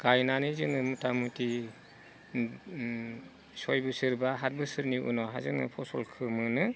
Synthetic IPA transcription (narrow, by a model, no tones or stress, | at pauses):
ɡ̥ajnanɯzɯŋɯmutamuti | sɔjbɯsɯɾbaɦat̚bɯsɯɾniʔṵnɔɦazɯ̰ŋnɯ̰pʰɔsɔlkʰɯmɯnɯ